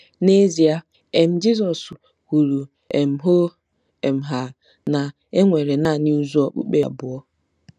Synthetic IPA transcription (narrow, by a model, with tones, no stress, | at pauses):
ne˦zi˨a˦ | e˨m̩˦d͡ʒi˦zɔ˨s | hu˨ɾu˨ | e˨m̩˦ɦo˦ | e˨m̩˨ɦa˨ | na˨ | e˦ŋʷe˨ɾe˨na˦˨ni˦u˦zu˦ɔ˨k͡pṵ˦k͡pe˨a̰˨bʊ˨ɔ˦